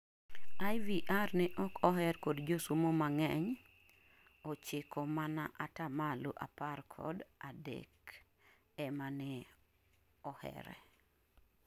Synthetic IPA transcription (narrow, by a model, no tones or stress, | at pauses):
ajviʔarnɛʔɔkʰɔɦɛrkodd͡ʒosumomaŋɛɲ | ot͡ʃɪkʰɔmana̰ʔatamalṵʔa̰parkʰɔ̰dadɛ̰k | ɛmanɛ | ɔhɛ̰ɾɛ̰